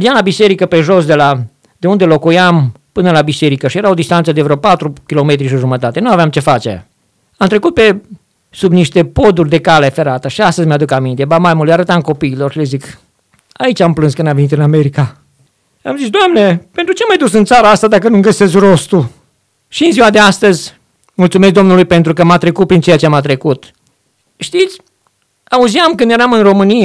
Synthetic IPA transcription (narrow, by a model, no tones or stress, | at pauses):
ɾiamlabise̞ɾikəpe̞ʒo̞sd̪e̞la | d̪̥e̞und̪e̞lo̞kujampɨnəlabise̞ɾikəʃijeɾaod̪ist̪ant̪səd̪evɾeopat̪ɾukʲilo̞me̞t̪ɾiʃ̬iʒumət̪at̪e̞nuaveamt͡ʃe̞fat͡ʃḛ | amt̪ɾe̞kut̪̚pe̞ | subniʃt̪e̞po̞d̪urʲd̪e̞kalefe̞ɾat̪əʃiast̪əzmead̪ukamint̪e̞bamajmuleaɾət̪amko̞piːlorʃilezik | ait͡ʃamplɨnskɨnd̪amve̞nit̪ɨnameɾika | amzitsd̪oamne̞pe̞nt̪ɾut͡ʃe̞majd̪usɨnt̪saɾaast̪ad̪akənumɡəse̞skro̞st̪ul | ʃiɨnziwad̪e̞ast̪əzʲ | mult̪sumes̬kd̪o̞mnulujpe̞nt̪ɾukəmat̪ɾe̞kut̪̚pɾint͡ʃe̞jat͡ʃemat̪ɾe̞kut̪ | ʃt̪it̪sʲ | auziamkɨnd̪jeɾamɨnro̞mɨnije